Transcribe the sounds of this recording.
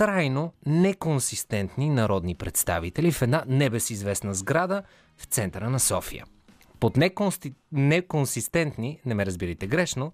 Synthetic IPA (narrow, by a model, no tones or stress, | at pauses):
kɾajnonɛkonsist̪ɛnt̪ninɐɾɔd̪nipɾɛt̪st̪a̰vit̪ɛlifɛd̪nanɛbɛsizvɛsnəzɡɾad̪ə | ft̪sɛnt̪əɾənɐsɔfḭjə̰ | pot̪nɛ | nɛkonsist̪ɛnt̪ninɛmɛɾəzbiɾəjt̪ɛɡɾɛʃno